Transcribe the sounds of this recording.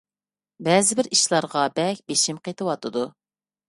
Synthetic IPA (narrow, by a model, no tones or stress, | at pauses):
bɛːzɪbɪɾiʃlˠɑɾʁɑbɛkʲbeʃimqʰet̪ʰɨwɑt̪ʰɨd̪u